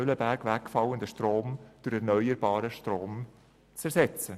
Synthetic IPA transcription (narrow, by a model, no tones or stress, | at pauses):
øləbæɾkvækfɑləndəʃtroːmd̥ʊɾɛɾnœʏəɾbɑːɾəʃtɾoːm | t͡sɛɾsɛt͡sə